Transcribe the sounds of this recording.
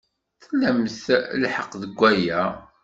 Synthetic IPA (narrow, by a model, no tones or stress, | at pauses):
θəlːæmθlħəqðəɡʷːæjæ